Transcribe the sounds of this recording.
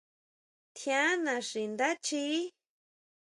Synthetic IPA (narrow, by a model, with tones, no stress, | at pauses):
t̪ʰjã˦nã˨ʂi˨nd̪a˦t͡ʃi˦